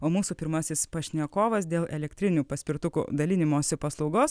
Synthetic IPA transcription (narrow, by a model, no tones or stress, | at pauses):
oːmuːsuːpʲɪɾmɐsʲɪspɐʃʲnʲɛkoːʋɐsd̪ʲeːlˠʔɛlʲɛkt̪ʲɾʲɪnʲuːpɐsʲpʲɪɾt̪ʊkṵd̪ɐlʲɪnʲɪmoːsʲɪpɐslˠɒʊɡoːs